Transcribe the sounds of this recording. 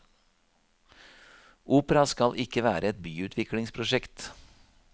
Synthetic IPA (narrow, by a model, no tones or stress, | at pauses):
ʔuːpəɾɑskɑlʔɪkəʋæ̰ːɾʔəɛt̪̚byːʉːt̪ʰʋɪklɪŋspʰɾʊʃɛkt̪